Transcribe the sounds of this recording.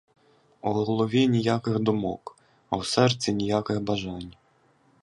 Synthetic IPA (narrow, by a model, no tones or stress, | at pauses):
ʊɦɔlˠɔʋʲinʲijakɪɣd̪ʊmɔ̰k | ɐwsɛrt͡sʲinʲijakɪɣbɐʒɑnʲ